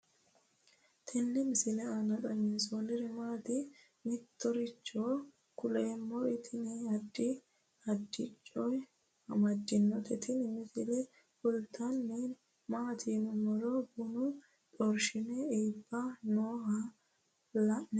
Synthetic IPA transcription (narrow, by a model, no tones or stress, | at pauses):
t̪ʰɪnːɪmɪsɪlɛɐnɐɗɐnɛsonɪɾɛmaːt̪ɪ | mɪt̪ːɔɾɪt͡ʃʼːoː | kʊleːmːɔɾɪt̪ʰɪnɛɐd̪ːɪ | ɐd̪ːɪt͡ʃʼːɔj | ɐ̰mɐd̪ːɪnːɔt̪ɛt̪ʰɪnɪmɪsɪlɛ | fʊlt̪ʰːɐnːɛ | maːt̪ʰiːmɔmɔɾɔbʊnʊ | ᶑɔɾʃɪnɛeːbːɐnoːɦɐ | lɐʔnɛ